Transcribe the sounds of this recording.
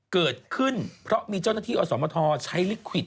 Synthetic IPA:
kɤː˨˩t̪̚kʰɯ˥˩npʰɾɔ˦˥ʔmiː˧t͡ɕa˥˩wna˥˩t̪ʰiː˥˩ʔɔː˧˩sɔː˩˦mɔː˧t̪ʰɔː˧t͡ɕʰa˦˥jli˦˥kʰwi˨˩t̪̚

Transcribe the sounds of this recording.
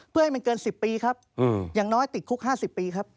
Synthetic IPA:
pʰɯ˥˩ha˥jma˧nkɤː˧nsi˨˩pːiː˧kʰa˦˥p̚ʔjaː˨˩ŋnɔː˦˥jt̪i˨˩t̪̚kʰu˦˥k̚haː˥˩si˨˩pːiː˧kʰa˦˥p̚

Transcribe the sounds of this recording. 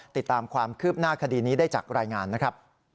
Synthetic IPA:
t̪i˨˩t̪ːaː˧mkʰwaː˧mkʰɯː˥˩p̚naː˥˩kʰa˧diː˧niː˦˥daː˥˩jt͡ɕa̰ː˨˩k̚ɾaː˧jŋaː˧nːa˦˥kʰɾa˦˥p̚

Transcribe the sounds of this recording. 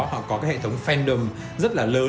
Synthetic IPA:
hɔ̰˧˨kɔ˨˦kaː˨˦hḛ˧˨˩t̪ʰwŋ͡mfɛ˧nɗə˨˩m | zə˦˥t̚laː˨˩ləː˨˦

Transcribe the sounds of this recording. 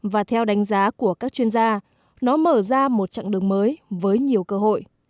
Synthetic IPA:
vaː˨˩t̪ʰɛ˧wɗa˨˦jŋ̟zaː˨˦ku˧˩əkaː˦˥k̚t͡ɕwi˧ənzaː˧ | nɔ˨˦məː˧˩zaː˧mo˨˩t̚t͡ɕa̰ː˧˨ŋɗɨ˨˩əŋməː˨˦jvəː˨˦jɲi˨˩əwkəː˧ɦo̰˧˨jʔ

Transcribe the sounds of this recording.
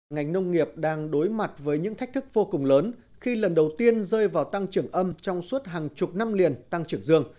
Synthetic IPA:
ŋa˨˩jŋ̟nə˧wŋ͡mŋi˨˩əp̚ɗaː˧ŋɗo˨˦jma˨˩t̚vəː˨˦jɲɨ̰˧˥t̪ʰa˦˥k̚t̪ɨ˦˥k̚vo˧kʊ˨˩ŋ͡mləː˨˦n | xi˧lə˨˩nɗə˨˩wt̪i˧ənzəː˧jvaː˨˩wt̪a˧ŋt͡ɕɨ˧˩əŋʔə˧mt͡ɕɔ˧wŋ͡mswə˦˥t̚ɦaː˨˩ŋt͡ɕʊ˨˩p̚na˧mli˨˩ənt̪a˧ŋt͡ɕɨ˧˩əŋzɨ˧əŋ

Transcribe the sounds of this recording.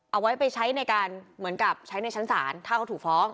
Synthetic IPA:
ʔa˧wa˦˥jpa˧jt͡ɕʰa˦˥jna˧jkaː˧nmɯ˩˦ənka˨˩p̚t͡ɕʰa˦˥jna˧jt͡ɕʰa˦˥nsa̰ː˩˦nt̪ʰaː˥˩ka˧˩t̪ʰuː˨˩k̚fɔː˦˥ŋ

